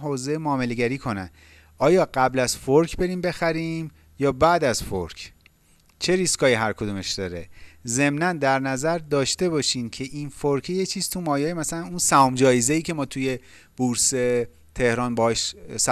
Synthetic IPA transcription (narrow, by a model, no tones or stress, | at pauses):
ɦoːzejmoɒːme̞le̞ɟæɾiːkʰo̞næ̰n | ʔɒːjɒːɢæblæzfoɾkʰbe̞ɾiːmbe̞xæɾiːm | jɒːbæːd̪æzfo̰ɾkʰ | t͡ʃʰe̞ɾiskʰɒːjiɦæɾkʰod̪uːmeʃd̪̥ɒːɾe̞ze̞mnænd̪æɾnæzæɾd̪ɒːʃt̪e̞bɒːʃiːmcʰe̞ʔinfoɾcʰejet͡ʃʰiːz̥t̪ʰumɒːjɒːjemæsælænunsæɒːmd͡ʒɒːjezeiːcʰe̞mɒːt̪ʰuje̞ | b̥uɾse̞ | t̪ʰe̞hɾɒːnbɒhɒʃsæ